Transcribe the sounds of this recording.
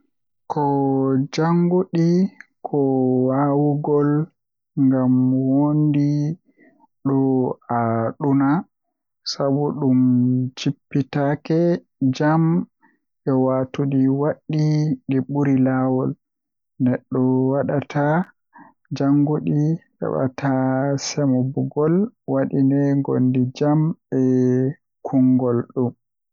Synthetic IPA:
kʰɔd͡ʒaŋɡoɗikʰɔwawuɡɔl | ŋɡamwondi | ɗɔaɗuna | sabuɗumt͡ʃipːitakɛ | d͡ʒam | ʔɛwatuɗiwaɗːidɛɓuɾilawɔl | nɛɗːɔwaɗatʰa | d͡ʒaŋɡuɗi | ɛ̰ɓa̰tʰasɛmɔbuɡɔlwaɗinɛŋɡo̰ndid͡ʒamɛ | kʰuŋɡɔlɗum

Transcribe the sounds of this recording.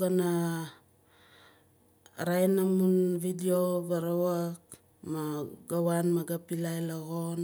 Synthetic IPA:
ɡana | ɾajnamunvidioβaɾawak | maɡawanmaɡapilajlaɣon

